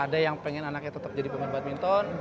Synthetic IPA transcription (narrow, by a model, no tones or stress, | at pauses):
adajaŋpɛŋɛnanak̚ɲat̪ət̪ap̚d͡ʒadipəŋərbaat̪̚mint̪ɔn